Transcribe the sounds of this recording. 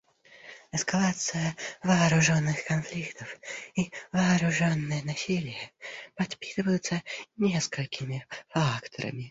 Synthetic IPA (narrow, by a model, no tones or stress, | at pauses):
ɛskalˠat̪sɨjɐvɐːɾʊʐɔnːɨxkɐnflʲikt̪əfivɐːɾʊʐonːɨjɛnɐsʲilʲɪjəpɐt̪pʲi̥t̪ɨvɐjʊt̪sənʲɛskəlʲkʲɪmʲɪfakt̪ɔɾɐ̰mʲɪ